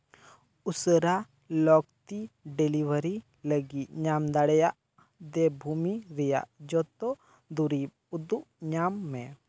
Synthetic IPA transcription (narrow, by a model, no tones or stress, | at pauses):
usəɾa | lɔkt̪iɖɛlibəɾi | ləɡit̪̚ɲamd̪aɽɛjaʔ | d̪ɛbʱumiɾɛja̰ʔd͡ʒɔt̪ɔ | d̪uɾip̚ | ud̪uʔɲamːɛ